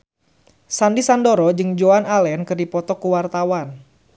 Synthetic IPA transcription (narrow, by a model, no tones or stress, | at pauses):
sandisandoɾɔd͡ʒɨŋd͡ʒoanalɛnkɨrdipɔt̪ɔkuwart̪awan